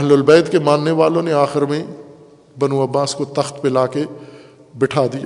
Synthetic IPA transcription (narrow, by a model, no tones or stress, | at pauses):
ɐɦlʊlbɛːd̪kemãːnːeʋaːlõneaːxɪɾmẽ | bɐnũɐbːaːskot̪ɐxt̪pelaːke | bɪʈʰaːd̪ija